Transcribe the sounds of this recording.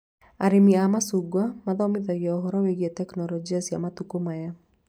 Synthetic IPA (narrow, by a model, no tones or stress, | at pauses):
a̰ɾemiamasuɡwamaðɔmɪðaɣjɛɔɦɔɾɔweɣjɛtɛknɔlɔd͡ʒiasjamatukomaja